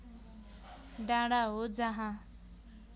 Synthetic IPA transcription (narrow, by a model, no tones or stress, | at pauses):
ɖaɽaɦod͡zaɦã